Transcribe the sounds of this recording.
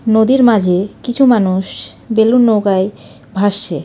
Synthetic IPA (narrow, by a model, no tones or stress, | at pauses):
nod̪iɾmad͡ʑʱekit͡ɕʰumanuʃ | belunːowɡae | bʱaʃːe